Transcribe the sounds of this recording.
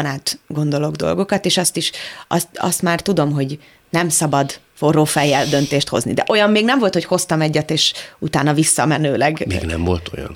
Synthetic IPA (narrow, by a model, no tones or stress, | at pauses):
naːt̪ɡo̞nd̪o̞lo̞ɡd̪o̞̰lɡo̞kɒt̪eːʃɒst̪iʃɒ̰st̪ɒ̰st̪maːrt̪ud̪o̞mɦo̞ɟ | nɛmsɒbɒd̪ | forːoːfɛjːɛld̪ø̞nt̪eːʃt̪ho̞̰znḭd̪ɛ̰ʔo̞jɒmːeːɡnɛɱvolt̪ho̞cho̞st̪ɒmɛɟːɛt̪eːʃut̪aːnɒvisːɒmɛnøːlɛɡmḛɡnɛ̰mvo̞̰lt̪o̰jɒ̰n